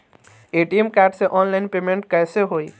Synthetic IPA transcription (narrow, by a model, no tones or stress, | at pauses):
eːʈiemkaːʈseʔɔːnlaɪnpemẽɳʈ̚kɛːseɦoːi